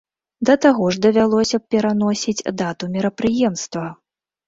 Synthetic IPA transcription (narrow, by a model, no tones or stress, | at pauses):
d̪ɐt̪aɣɔʐd̪ɐvʲalˠɔsʲɐpʲɛɾanɔsʲit͡sʲd̪at̪umʲiɾɐpɾɨjɛmst̪vɐ